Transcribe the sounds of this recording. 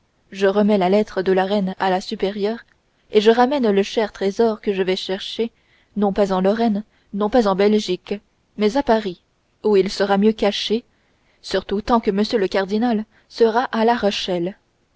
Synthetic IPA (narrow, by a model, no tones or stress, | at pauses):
ʒəʁəmɛlalɛt̪χəd̪əlaʁɛnalasypeʁjœːʁ | eʒəʁamɛnləʃɛʁt̪χezɔʁkəʒəvɛʃɛʁʃe | nɔ̃pazɑ̃lɔʁɛn | nɔ̃pazɑ̃bɛlʒik | mɛzapaʁi | uilsəʁamjøkaʃe | syʁt̪ut̪ɑ̃kəməsjøləkaʁd̪inal | səʁaʔalaʁɔʃɛl